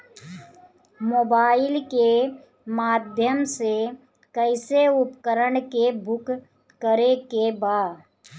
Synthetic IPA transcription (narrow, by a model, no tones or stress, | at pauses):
moːbaːɪlke | maːd̪ʱjəmse | kəɪseʊpkəɾəɳkebʱʊk | kəɾekebaːd̪